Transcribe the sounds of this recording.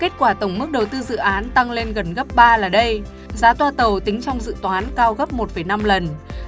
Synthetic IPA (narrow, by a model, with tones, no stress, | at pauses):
ke˦˥t̚kwaː˧˩t̪ə˧˩wŋ͡mmɨ˦˥k̚ɗə˨˩wt̪ɨ˧zɨ̰˧˨ʔaː˨˦nt̪a˧ŋle˧nɣə˨˩nɣə˦˥p̚ɓaː˧laː˨˩ɗə˧j | zaː˨˦t̪waː˧t̪ə˨˩wt̪ï˨˦ŋ̟t͡ɕɔ˧wŋ͡mzɨ̰˧˨t̪waː˨˦nkaː˧wɣə˦˥p̚mo˨˩t̚fə˧˩jna˧mlə˨˩n